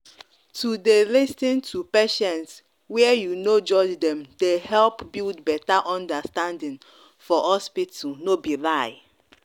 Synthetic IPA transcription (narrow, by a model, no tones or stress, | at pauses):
tudelistĩntʰupeʃɛ̃ns | wɛjunod͡ʒɔd͡ʒdɛ̃md̥ehɛlpbildbɛtaʔɔ̃ndastãndĩn | fɔhɔspitnobilaɪ